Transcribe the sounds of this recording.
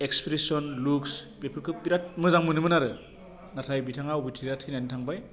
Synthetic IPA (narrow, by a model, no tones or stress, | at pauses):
ekspɾesɔnluks | bepʰɯɾkʰɯpiɾat̚mɯzaŋmɯnɯmɯnaɾɯ | natʰajbitʰaŋawbitʰiɾat̚kʰinanitʰaŋbaj